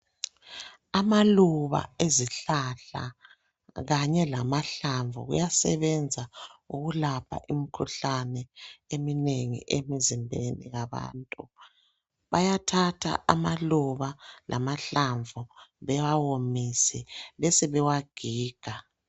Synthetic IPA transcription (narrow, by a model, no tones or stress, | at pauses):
amaluβa̰eziɬaɬa̰ | ɣaɲɛlamaɬaɱvṵɣṵjasɛβɛnd͡zʱauɣulapʰa̰ʔimikʰuɬanɛemineŋḭʔemizimbʱenḭɣaβa̰ːntʼu | βajatʰatʰa̰ʔamaluβalʔa̰maɬaɱvʱuβɛwawomisɛlesiβɛwaɡ̥ʱiːɡ̥ʱa